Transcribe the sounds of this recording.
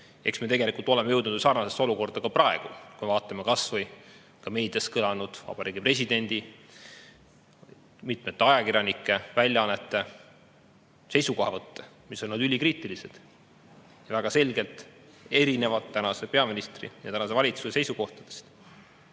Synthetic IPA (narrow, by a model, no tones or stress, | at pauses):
e̞̰ksmiet̪e̞ɡe̞likult̪ːˑo̞lemejɤ̞wd̪nud̪sɑːrnɑsestːoluko̞rd̪̥ɑkɑprɑe̞ɡ̥ukujmevɑːt̪ːˑɑmekɑsvɤj | kɑme̞ːd̪jɑskɤlɑnud̪̥vɑ̰b̥ɑɾiːɡipre̞sid̪e̞nʲd̪̥i | mit̪met̪ːeɑjɑkiɾʲjɑnikːˑe̞vælʲjɑɑnːet̪ːˑe̞ | se̞jsuko̞hɑvɤt̪ːe | miso̞nnɑd̪ylʲikriːt̪ːˑilise̞d̪̥ | jɑvæɡ̥ɑse̞lʲɡe̞lt̪ˑ | e̞ɾine̞vɑd̪ːænɑse̞pe̞ɑminist̪rḭjɑt̪ænɑs̬e̞vɑlʲit̪susese̞jsuko̞ht̪ɑd̪̥e̞̥st̪